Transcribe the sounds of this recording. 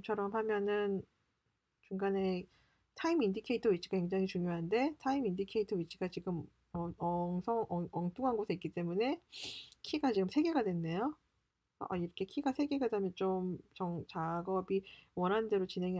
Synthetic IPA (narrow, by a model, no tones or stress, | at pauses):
t͡ɕʰʌɾʌmhamjʌnɯn | t͡ɕuŋɡane̞ | tʰaimindikʰeitʰʌɥit͡ɕʰi̥ɡ̥kakwe̞ŋd͡ʑaŋɦit͡ɕuŋjoɦande̞tʰaimindikʰe̞itʰʌɥit͡ɕʰiɡat͡ɕiɡɯm | ʌʌŋsʰʌŋʌʌŋt͈uŋɦanɡosʰeik͈it͈e̞mune̞kʰiɡat͡ɕiɡɯmsʰe̞ɡe̞ɡadwe̞nːe̞jo | ʌ̰ʔa̰iɾʌkʰe̞kʰiɡasʰe̞ɡe̞ɡadwemjʌnt͡ɕomt͡ɕʌŋt͡ɕaɡʌbiwʌnɦannde̞ɾot͡ɕinɦe̞ŋi